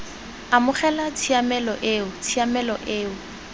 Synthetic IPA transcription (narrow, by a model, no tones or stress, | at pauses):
amʊχɛlat͡sʰiamɛlɔʔeːʊt͡sʰiamɛlɔʔeːʊ